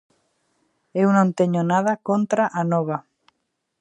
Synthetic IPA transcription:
ewnõnt̪eɲonaðakõnt̪ɾaʔanoβa

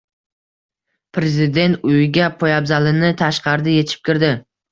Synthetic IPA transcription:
pʰɾe̞zɪd̪e̞nt̪ʊjɪɡʲapʰojabzalɪnɪt̪ʰaʃqɑɾd̪ɪje̞t͡ʃ̪ʰɪ̥p̚kʲɪɾd̪ɪ

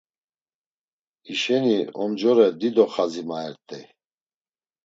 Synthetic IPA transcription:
iʃɛniɔmd͡ʒɔɾɛd̪id̪ɔχazimaɛɾt̪ʼɛ

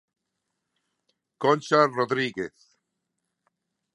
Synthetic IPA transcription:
kont͡ʃaroðɾiɡeθ

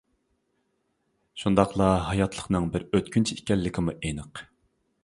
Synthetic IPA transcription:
ʃund̪ɑqlˠɑɦɑjɑt̪ʰlˠəqnɨŋbɪɾøt̪̚kʲynt͡ʃʰiikʲɛlːɪkʲʰimuʔenɨq

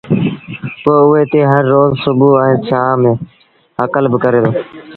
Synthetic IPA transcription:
poːʊeːt̪eːɦəɾːoːzsʊbuːɛ̃ːt̪ʰaːmẽː | əkəlbəkəɾeːd̪oː

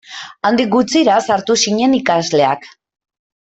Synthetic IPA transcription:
and̪ik̚ɡut͡siɾasaɾt̪usiɲe̞nikazle̞ak

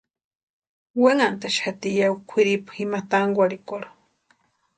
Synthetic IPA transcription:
waŋant̪aʃat̪ijawkʷʰiɾipximat̪aŋɡʷaɾikoɾo

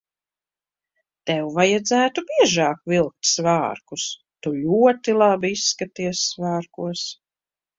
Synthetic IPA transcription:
t̪ɛwvajad̪zæːt̪ubʲiɛʒɑːkvilˠk̚t̪svaːɾkus | t̪ulʲuɔt̪ilˠabiisːkat̪iɛsːvaːɾkuɔs

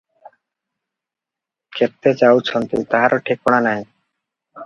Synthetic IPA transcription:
keɾt̪et͡ɕawt͡ɕʰɔnt̪it̪aɦaɾʔoʈʰikɔɽ̃anaj̃

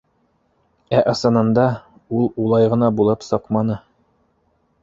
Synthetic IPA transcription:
æʔɤ̆sɤ̆nɤ̆nd̪ɑ | ulˠulˠɑjʁɤ̆nɑbulˠɤpsɤqmɑnɤ

